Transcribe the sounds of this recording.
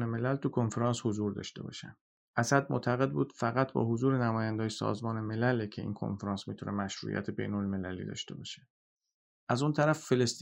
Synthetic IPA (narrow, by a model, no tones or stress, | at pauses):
neme̞lælt̪ʰukʰo̞nfeɾɑːnshozuːɾd̪ɒ̰ːʃt̪e̞̰bɒ̰ːʃæ̰m | ʔæsæd̪̚mo̰ʔt̪ʰæɣe̞d̪̚buːd̪̥fæɣæt̪̚ʰbɒ̰ːɦozuːɾenæmɒːjænd̪ɒːjesɒ̰ːzmɒːneme̞lælecʰe̞ḭːnkʰo̰nfeɾɒnsmit̪ʰunʔemæʃɾṵjæ̰t̪ʰebe̞̰jno̞lme̞lælḭːd̪ɒ̰ːʃt̪e̞bɒːʃe̥ | ʔæzunt̪ʰæɾæfːe̞lest̪